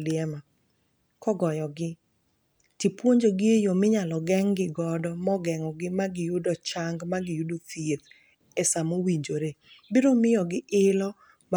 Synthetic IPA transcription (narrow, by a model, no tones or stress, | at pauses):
lɪɛma | kɔɡɔjɔɡɪ | tipwoɲd͡ʒoɡɪejomɪɲalɔɡɛŋɡɪɡɔdɔmɔɡɛŋɔɡɪmaɡɪjʊdɔt͡ʃaŋɡmaɡɪjʊdoθiet̪ | ɛsamowiɲd͡ʒoɾebiɾomɪjɔɡɪʔɪlɔ | m